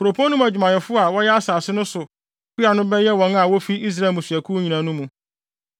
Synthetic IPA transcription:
kɾo˨pʰɔ˦nũ˦mæ˨d͡ʑᶣmã˨ɲɛ˨fʊ˦a˨wɔ˦jɛ˦a˦saː˨sɪ˦nʊ̃˦sʊ˨ | kʰi˦a˨nʊ̃˦bɛ˦jɛ˦wɔ̃˨na˨wɔ˦fi˦i˦s̬ɾa˨mũ˨sɥæ˨kʰu˦ɲĩ˨nã˨˦nũ˦mũ˨

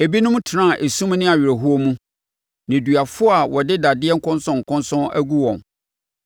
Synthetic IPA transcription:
e˨bi˦nʊ̃˦m˦tʰɪ˨nã˦˨ʔe˨sũ˦m˦nɪ̃˦a˨ɥɪ˨ɾe˨ɦu˦o˦mũ˦ | nɪ̃˨dɥa˨fʊ˦a˨wɔ˨dɪ˦da˨dɪ˦ɛ˦ŋ̩˦kʰʊ̃˦nsʊ̃˦ŋ̩˨kʰʊ̃˦nsʊ̃˦æ̰˦ɡu˦wɔ̰̃˨n

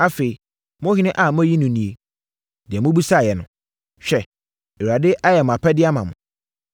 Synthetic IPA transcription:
a˦fe˨i˨ | mʊ̃˦hɪ˦nɪ̃˦ʔa˨mʊ̃˦æ˦ji˦nʊ̃˨˦nĩ˨e˨ | dɪ˨ɛ˨mʊ̃˦bu˦sa˦˨jɛ˨nʊ̃˨ | ɕᶣɛ˦ | ɛ˨wu˨a˨dɪ˦ʔa˦jɛ˨mʊ̃˨a˨pʰɛ˦dɪ˦a˦mã˨mʊ̃˨

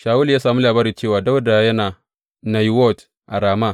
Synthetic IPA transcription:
ʃaː˨wu˦ljaː˦saː˨mi˦laː˨baː˦ɾi˨t͡ʃeː˦˨waː˨da˦wda˨jɐ˦naː˨ | na˨jwɔ˦˨t | ʔa˨ɾaː˨ma˦˨

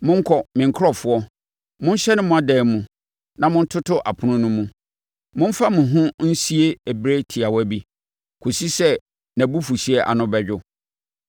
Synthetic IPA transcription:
mʊ̃˦ŋ̩˦kʰɔ˨mɪ̃˨ŋ˦kʰɾɔ˦fʊ˦ɔ˦ | mʊ̃˦n̩˦ɕɛ˦nʊ̃˦mʊ̃˦a˨dɛ˨mũ˨ | nã˨mʊ̃˦n̩˦tʰʊ˦tʰʊ˦ʔa˨pʰʊ˨nʊ̃˦nʊ̃˦mũ˦ | mʊ̃˦m˦fa˦mʊ̃˨ɦʊ̃˦n̩˦si˦e˦æ˨bɾe˦tʰi˨a˨wɔ˦æ˨bi˦ | kʰo˨si˦sɛ˦ | næ̃˨bu˦fu˨si˦ɛ˦ʔa̰˨nʊ̃˦bɛ˨d͡ʑᶣʊ˦

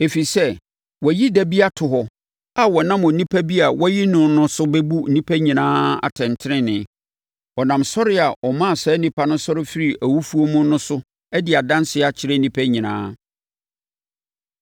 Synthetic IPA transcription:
e˨fi˨sɛ˦ | wɔ˨ji˦dæ˦bi˦a˦tʰʊ˨ɦɔ˨ | a˨wɔ˨nã˦mʊ˨nĩ˦pʰæ˦bi˦a˨wɔ˦ji˦nʊ̃˨nʊ̃˦sʊ˦bɛ˦bu˦n̩˨nĩ˦pʰæ˦ɲĩ˨nãː˦a̰˨tʰɛ̃˨ntʰɪ˦ɾɪ̃˦nɪ̃˨˦ | ɔ˨nã˨msɔ˦ɾɪ˦a˨ʔɔ˨mã˦a˨sɛː˨˦nĩ˦pʰa˦nʊ̃˦sɔ˦ɾɪ˦fi˦ɾi˨ʔæ˨wu˦fu˦o˦mʊ̃˦nʊ̃˦sʊ˦ | ɛ˦dɪ˨a˨dã˦n˦sɪ˦a˨t͡ɕʰɪ˨ɾe˦n˦nĩ˦pʰæ˦ɲĩ˨nã̰ː˦

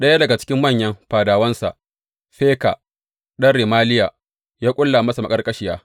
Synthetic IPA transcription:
ɗɐ˦ja˦dɐ˨ɡa˨t͡ʃɪ̥˦kʲɪ˦mːɐ˦˨ɲjɐ˦mɸaː˨daː˨wɐ˦nsa̰˨ʔ | ɸeː˦ka˨ | ɗɐ˦nɾi˨maː˦lɪ˦ja˨ | jaː˦kʷʼʊ˦lːaː˨mɐ˦sa˨mɐ˨kʼɐ˦rkʼɐ˦ʃɪ˨jaː˦

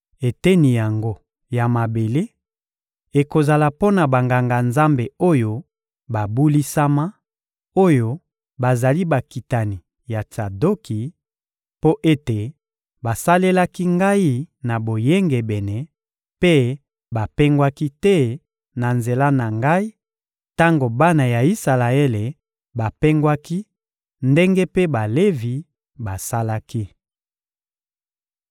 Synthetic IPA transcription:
e˨tɛ˦ni˨ja˨ŋɡo˦ | ja˨ma˨be˨le˦ | e˨ko˨za˨la˨po˦na˨ba˨ŋɡa˨ŋɡa˨nza˦mbe˨o˦jo˦ | ba˨bu˦li˦sa˦ma˦ | o˦jo˦ | ba˨za˨li˦ba˨ki˨ta˨ni˨ | ja˨ta˨do˦ki˨ | po˦ʔe˦te˨ | ba˨sa˦le˦la˦ki˦ŋɡa˦i˦na˨bo˨je˦ŋɡe˨bɛ˨nɛ˨ | pe˦ | ba˨pe˦ŋɡwa˦ki˦tɛ˦ | na˨nze˨la˦na˨ŋɡa˦i˦ | ta˦ŋɡo˨ba˦na˨ja˨i˦sa˨la˨e˦le˨ | ba˨pe˦ŋɡwa˦ki˦ | nde˦ŋɡe˦pe˦ba˨le˦vi˨ | ba˨sa˦la˦ki˦

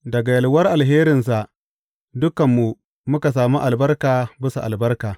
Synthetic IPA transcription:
dɐ˨ɡa˨jɐ˨lwɐ˦rʔa˨lɦeː˦ɾɪ˨nsa˨ʔ | dʊ˦kɐ˨mːu˨ | mʊ˦ka˨s̬aː˨mu˦ʔa˨lbɐ˦rkaː˨bɪ˦su˨ʔa˨lbɐ˦rkaː˨

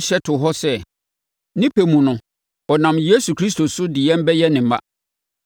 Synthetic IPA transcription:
ɕɛ˦tʰʊ˨ɦɔ˦sɛ˦ | nɪ̃˦pʰe˨mũ˨nʊ̃˨ | ɔ˨nã˨mje˦su˨kʰɾi˦s̬to˨sʊ˦dɪ˨jɛ̃˦m˦bɛ˦jɛ˦nɪ̃˨m˨mã̰˦

